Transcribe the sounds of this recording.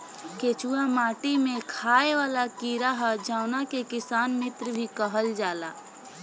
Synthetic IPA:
keːt͡ʃuːamaːʈimẽkʰaːeʋaːlakiːɾaɦɛd͡ʒaːʊnakekɪsaːnmɪt̪ɾbʱikəɦəld͡ʒaːlaː

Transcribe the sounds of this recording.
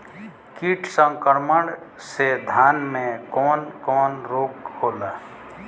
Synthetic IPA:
kiʈʰsə̃ŋkəɾməɽ | sed̪ʱaːnmẽkɔːnkɔːnɾoːkhoːla

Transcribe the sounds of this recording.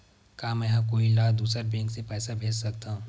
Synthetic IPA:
kaːmɛ̃ːɦɐ̃koːilaːd̪uːsəɾbɛ̃ːŋksepɛːsabʱeːd͡ʒsɐk̚t̪aɦũː

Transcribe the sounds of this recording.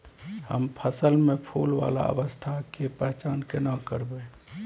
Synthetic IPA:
hə̰mpʰəsəlmẽpʰoːlʋa̰ːla̰ə̰ʋəst̪ʰakepɛɦt͡ʃaːnkenəkəɾbe

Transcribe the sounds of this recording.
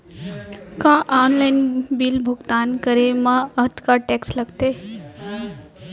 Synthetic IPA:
kãʔaːnlaɪnbiːlbʱʊɡt̪aːnkəɾemãət̪kaʈeːksləɡt̪eː

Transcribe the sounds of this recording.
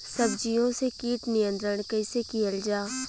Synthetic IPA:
səbd͡ʒijõsekiːʈnɪjə̃nt̪ɾəɽkəɪsekijəld͡ʒaː

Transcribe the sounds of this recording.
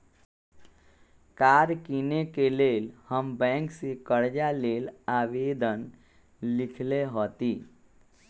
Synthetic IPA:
kaːɾkiːnekeleːlhəmbɛ̃ːŋksekəɾd͡ʒaleːlaːʋeːd̪ən | lɪkʰleɦɔːt̪iː

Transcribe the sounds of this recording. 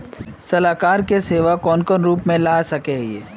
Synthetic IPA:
sɐlaːkaːɾkeseːʋakɔːnkɔnɾuːpmẽlaːsɐkejeː

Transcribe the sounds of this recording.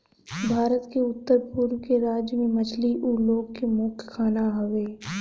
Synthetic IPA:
bʱaːɾət̪keʊt̪ːəɾpuɾʋkeɾaːd͡ʒjmẽmɐt͡ʃliʔuːloːɡkemʊːkʰkʰaːnaɦɐʋeː

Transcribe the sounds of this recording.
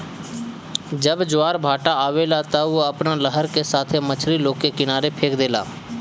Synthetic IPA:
d͡ʒəbd͡ʒʊaːɾbʱaːʈaaːʋeːlaːt̪aoəpnaːləɦəɾkesaːt̪ʰemət͡ʃʰɾiːloːkekɪnaːɾepʰeːkd̪eːla̰ː

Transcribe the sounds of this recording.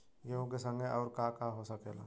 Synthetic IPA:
jeɦũkesə̃ŋɡeʔɔːɾkakaɦosəkeːla̰ː

